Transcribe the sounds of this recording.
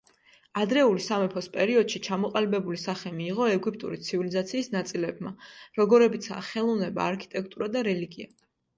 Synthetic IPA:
ad̪ɾɛulisamɛpʰɔspʼɛɾiɔd̪̥ʃit͡ʃʰamɔqʼalibɛbulisaχɛmiːʁɔɛɡipʼt̪ʼṵɾit̪sʰivilizat̪sʰiːsnat̪sʼilɛbmaɾɔɡɔɾɛbit̪sʰa̰ːχɛlˠɔvnɛba̰ːɾkʰi̥t̪ʼɛk̚ʰt̪ʼuɾad̪aɾɛliɡia

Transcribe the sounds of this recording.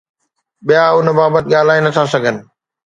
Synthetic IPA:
ɓijaʊnbaːbət̪ɪ̆ɠaːl̤aːinɐt̪ʰasɐɡʱənɪ̆

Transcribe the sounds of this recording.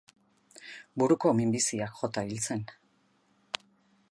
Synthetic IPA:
buɾuko̞mimbisiakxo̞t̪ailt͡se̞n

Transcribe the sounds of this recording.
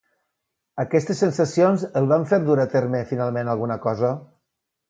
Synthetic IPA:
əkɛst̪əsːensasionzəlˠβaɱfeɾduɾat̪eɾmefinalˠmenalˠɣunəkɔzə

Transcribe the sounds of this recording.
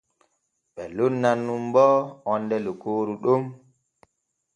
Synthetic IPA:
ɓɛ̰lunːanːumbɔɔndɛlukoːɾuɗum

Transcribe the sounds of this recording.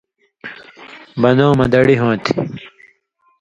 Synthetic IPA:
bɐnõːmɐd̪ɐɽiɦõːt̪ʰi̥

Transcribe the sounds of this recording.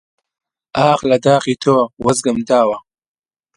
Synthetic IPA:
ɑːxlad̪ɑːxit̪ʰoːwazɡəmd̪ɑːwa

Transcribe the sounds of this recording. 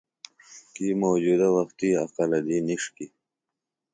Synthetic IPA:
kimowd͡ʒud̪awɐxt̪iaqalad̪iniʂki

